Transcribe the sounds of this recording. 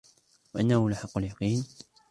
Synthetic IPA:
waʔanːahʊlaħɑqːaljɑqiːn

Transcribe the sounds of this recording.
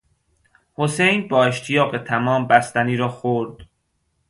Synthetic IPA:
hosejnbɒːe̞ʃt̪ʰijɒːɢet̪ʰæmɒːmbæst̪æniːɾɒːxoɾd̪̥

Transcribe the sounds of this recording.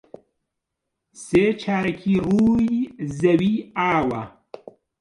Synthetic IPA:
seːt͡ʃʰaːɾɐkʰiːruːjzɐwiaːwɐ

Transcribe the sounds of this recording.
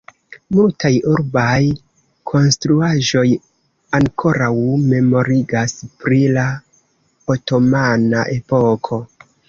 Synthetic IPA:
multajuɾbaj | kʰo̞nstɾuaʒo̞j | aŋkʰo̞ɾawme̞mo̞ɾiɡaspɾila | oto̞mana̰ʔe̞po̞kʰo̞

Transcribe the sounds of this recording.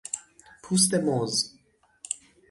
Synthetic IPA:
pʰus̬t̪ɛmoz

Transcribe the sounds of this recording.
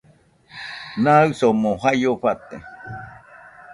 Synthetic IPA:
nãɨsomõhajoɸat̪e

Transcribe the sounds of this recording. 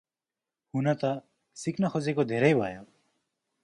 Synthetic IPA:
hunat̪ʌ | sikʰnʌkʰod͡zekod̪ʱeɾʌjbʱa̰jo

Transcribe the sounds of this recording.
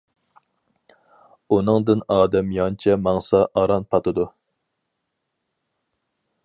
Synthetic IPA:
unɨŋd̪ɨnɑːd̪ɛmjɑnt͡ʃʰɛmɑŋsɑʔɑɾɑnpʰɑt̪ʰɨd̪u

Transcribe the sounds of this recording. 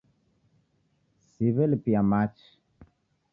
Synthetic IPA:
siβɛlpiamat͡ʃ

